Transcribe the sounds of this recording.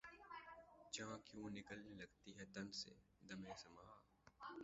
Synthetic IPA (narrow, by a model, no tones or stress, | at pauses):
t͡ʃããkjũːnɪkəlnelɐɡt̪iɦɛt̪ɐnsḛd̪ɐmẽsɐmaː